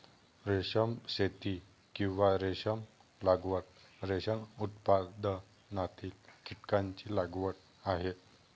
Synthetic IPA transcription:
ɾeɕəmɕet̪i | kĩw̃ʋaɾeɕəmlaɡʋəɽ̚ɾeɕənut̪pad̪ə | nat̪iːlkiʈkaɲt͡ɕilaɡʋəɽ̚ | aɦet̪

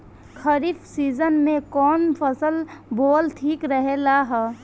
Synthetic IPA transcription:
kʰəɾifsiːzənmẽkɔːnpʰəsəlboːlt̪ʰiːkɾəɦelaɦɛ

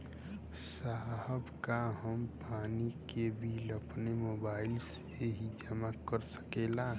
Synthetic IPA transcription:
saɦəbkaɦəmpaːnikebʱiləpnemoːbaːɪls | eɦid͡ʒəmakəɾsə̥keːla

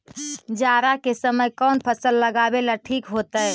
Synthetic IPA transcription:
d͡ʒaɾakesəməjkɔːnpʰəsəlːəɡabelaʈʰiːkɦot̪əj

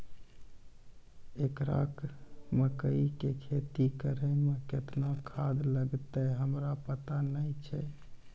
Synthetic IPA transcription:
ekɾa̰kməkəikekʰet̪ikəɾəmeket̪nakʰad̪ləɡt̪əɦəmɾapət̪anəjt͡ʃʰɛ

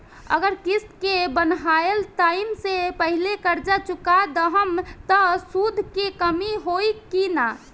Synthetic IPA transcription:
ə̰ɡəɾkist̪kebənɦaelt̪aimsepəɦilekəɾd͡ʒat͡ʃukad̪əɦəmt̪ɔsud̪ʱkekəmiɦoikina

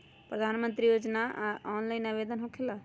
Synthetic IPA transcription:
pɾəd̪ʱanmənt̪ɾijod͡ʒnaɔnlaɪnaβed̪ənɦokʰela

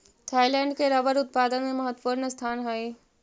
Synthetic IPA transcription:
t̪ʰaːilɛ̃ːɳɖkeɾɐʋəɾʊt̪̚paːd̪ənmẽmɐɦət̪puɾnəst̪ʰaːnɦae

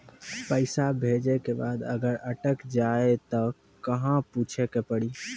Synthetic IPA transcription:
pəɪsabʱed͡ʒekebaːd̪əɡəɾəʈəkd͡ʒaet̪ɔ | kəɦãput͡ʃʰekepəɽiː

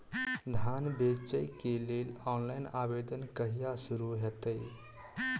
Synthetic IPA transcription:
d̪ʱanbet͡ʃəjkelelɔnlajnabed̪ənkəɦijasuɾuɦɛt̪əj

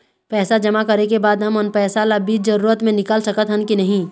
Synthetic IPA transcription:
pɛːsad͡ʒɐmakɐɾekebaːd̪ɦɐmənpɛːsalabiːd͡ʒ̪zɐɾuːɾət̪mẽnɪkaːlsɐkət̪ɦɐnkinɐɦĩː

